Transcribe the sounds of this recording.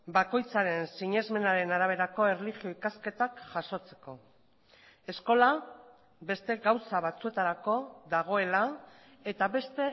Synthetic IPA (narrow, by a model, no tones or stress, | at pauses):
bako̞jt͡saɾe̞nsiɲezme̞naɾe̞naɾaβ̞e̞ɾako̞e̞rlixio̞ikaske̞t̪akʝaso̞t͡se̞ko̞ | e̞sko̞la | be̞st̪e̞ɣawsaβat͡sue̞t̪aɾako̞ðaɣ̞o̞e̞la | e̞t̪aβe̞st̪e̞